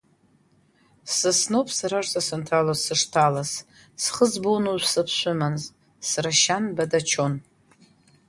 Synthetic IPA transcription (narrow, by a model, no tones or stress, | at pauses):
sɨsno̞wpʼsaɾaʐzʼasɨntʰalozsɨʂtʰalas | sχəzbonoʒsɨpʰɕʷʊmanz | sraʃanbadat͡ʃʰon